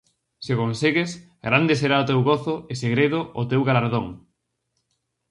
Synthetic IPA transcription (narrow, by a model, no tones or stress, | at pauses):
sɪkonseɣɪs | ɡɾand̪ɪseɾaot̪ewɣoθʊeseɣɾeðʊʔʊt̪ewɣalaɾðoŋ